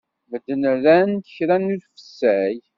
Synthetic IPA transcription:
vəd̪ːənɾænt̪əçɾænːuðfə̥sːæj

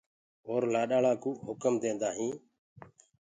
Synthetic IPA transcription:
ɦoːɾlaːɗaːɭaːkuːɦʊkəmd̪ẽːnd̪aːɦĩː

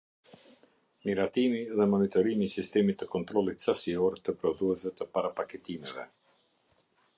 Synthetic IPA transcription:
miɾat̪imiðɛmɔnit̪ɔɾimisist̪ɛmit̪ːəkɔnt̪ɾɔlˠit̪sasiɔɾt̪əpɾɔd̪uɛzvɛt̪əpaɾapakɛt̪imɛvɛ̰

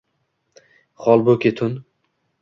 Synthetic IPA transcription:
χɒlˠbokʲʰet̪ʰʊn

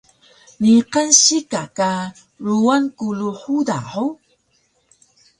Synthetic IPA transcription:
niqənɕikaka | ɾuankuluħuda̰ħu

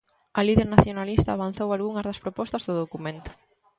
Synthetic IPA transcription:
ɐliðeɾnaθjonalist̪ɐaːβan̟θowalɣuŋɐzðɐspɾopɔst̪ɐzðʊðokumẽnt̪ʊ̥

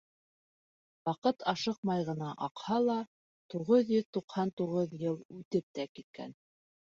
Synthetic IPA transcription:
wɑqɤt̪ɑʃɤq̚mɑjʁɤ̆nɑʔɑqhɑlˠɑ | t̪uʁɤðjɵðt̪uqhɑnt̪uʁɤðjɤlˠʉt̪ɘp̚t̪ækit̪̚kæ̰n

